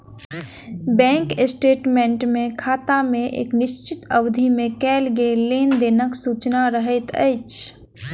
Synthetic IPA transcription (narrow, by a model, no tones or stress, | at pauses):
bɛ̃ːŋkɪsʈeːʈmẽɳʈmẽkʰaːt̪amẽʔḛːknɪʃt͡ʃɪt̪əwd̪ʱimẽkɛːlɡeleːnd̪eːnəksuːt͡ʃnaɾəɦət̪ə̰ɪt͡ʃ